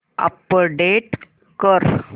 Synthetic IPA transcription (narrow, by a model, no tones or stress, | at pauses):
a̰pəɖeʈ | kəɾ